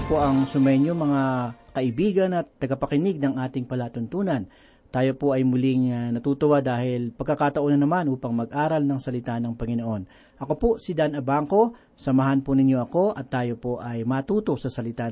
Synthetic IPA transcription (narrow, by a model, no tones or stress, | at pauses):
poʔɐŋsʊmɐjɲomɐŋakɐʔɪbiːɡɐnɐt̪ːɐɡɐpɐkɪnɪɡ̚nɐŋʔaːt̪ɪŋpɐlaːt̪ʊnt̪uːnɐn | t̪aːjo̞poʔɐjmʊlɪŋnɐnɐt̪uːt̪ʊwad̪aːhɪlpɐɡ̚kːɐkaːt̪ɐʔonɐnɐmanʔuːpɐŋmɐɡ̚ʔaːɾɐlnɐŋsɐlɪt̪anɐŋpɐŋɪno̞ʔo̞n | ʔɐko̞posɪd̪anʔɐbaŋko̞ | sɐmɐɦanponɪɲjo̞ʔɐko̞ʔɐt̪ːaːjo̞po̞ʔɐjmɐt̪uːt̪o̞sɐsɐlɪt̪a